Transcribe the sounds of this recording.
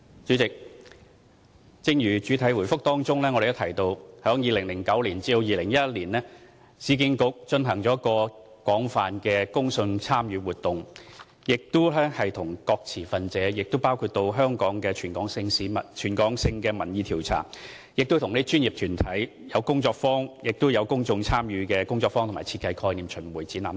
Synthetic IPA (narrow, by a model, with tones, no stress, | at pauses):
t͡ʃy˨˥t͡sɪ˨k̚ | t͡sɪ˥ŋjyː˨˩t͡ʃyː˨˥t̪ʰɐ˨˥jwu˨˩jfʊ˥k̚t̪ɔː˥ŋt͡ʃʊ˥ŋlɛː˥ŋɔ˨˧ɾe˨jɐ˥tʰɐ˨˩jt̪o˧whœː˨˥ŋjiː˨lɪ˨˩ŋlɪ˨˩ŋkɐ˨˥wliː˨˩nt͡siː˧lo˧wjiː˨˧lɪ˨˩ŋjɐ˥liː˨˩nlɛː˥ | siː˨˥kɪ˧ŋkʊ˨˥k̚t͡ʃɵ˧nɦɐ˨˩ŋt͡ʃɔː˨˥kɔː˧ | kwɔː˨˥ŋfaː˨nkɛː˧kʊ˥ŋsɵ˧nt͡sʰaː˥mjyː˨˧wuː˨t̚t̪ʊ˨ŋ | jɪ˨k̚t̪ʊ˥lɛː˥hɐ˨jt̪ʰʊ˨˩ŋkɔː˧k̚t͡sʰiː˨˩fɐ˨nt͡sɛː˨˥jɪ˨k̚t̪ʊ˥wpaː˥wkʰuː˧t̚t̪o˧wɦœː˥ŋkɔː˨˥ŋkɛː˧t͡ʃʰyː˨˩nkɔː˨˥ŋsɪ˧ŋsiː˨˥mɐ˨tt͡ʃʰyː˨˩nkɔː˨˥ŋsɪ˧ŋkɛː˧mɐ˨˩njiː˨˧t̪ʰiː˨˩wt͡sʰa̰ː˨˩ŋ | jɪ˨k̚t̪ʊ˥t̪ʰʊ˨˩ŋne˥t͡ʃy˥nji˨p̚t̪ʰyː˨˩nt̪ʰɐ˨˥j | jɐ˨˧wkʊ˥ŋt͡sɔː˧k̚fɔː˥ŋjɪ˨k̚t̪ʊ˥jɐ˨˧wkʊ˥ŋt͡sʊ˧ŋt͡sʰaː˥mjyː˨˧kɛː˧kʊ˥ŋt͡sɔː˧k̚fɔː˥ŋt̪ʰmaː˨˩jt͡sʰiː˧t̚kːɐ˧jkʰɔː˧jniː˨mt͡ʃʰɵ˨˩nwuː˨˩jt͡siː˨˥naː˨˧m